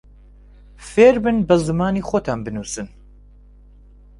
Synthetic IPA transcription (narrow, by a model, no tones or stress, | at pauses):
feːɾbɨnbɐzɨmaːniːxoːt̪ʰaːnbɨnuːsɨn